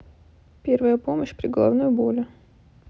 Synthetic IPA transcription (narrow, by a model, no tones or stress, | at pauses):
pʲervəjəpo̞məɕpɾʲɪɡəlˠavnujʊbolʲʊ